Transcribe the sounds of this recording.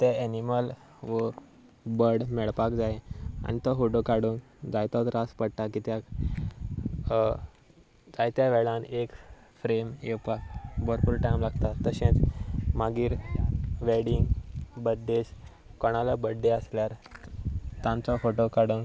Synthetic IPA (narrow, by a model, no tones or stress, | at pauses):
t̪eeniməl | ʋə | bəɽmɛɭpakd͡zajea̰nit̪ɔfoʈokaɽuːn | d͡zajt̪ɔt̪ɾaspəɽʈakit̪jak | d͡zajt̪jaʋɛɭãnek | fɾemewpak̚bəɾpuɾʈajmlaɡt̪at̪ːəɕẽt͡smaɡiːɾʋeɽiŋɡbəd̪es | kɔɽ̃aləbəɖeəsljaɾ | t̪ãnt͡sɔfoʈokaɽuːŋk